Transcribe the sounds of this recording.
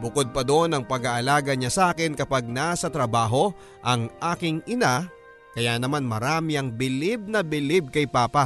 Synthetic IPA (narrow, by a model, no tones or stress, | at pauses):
bʊkod̪̚pɐd̪oʔonɐŋpɐɡaʔɐlaːɡɐɲasaːkɪnkɐpaɡ̚nasɐt̪ɾɐbaːɦo̞ | ʔɐŋʔaːkɪŋʔɪna | kɐjaːnɐmanmɐɾaːmɪɐŋbɪlɪb̚nɐbɪlɪb̚kɐjpaːpɐ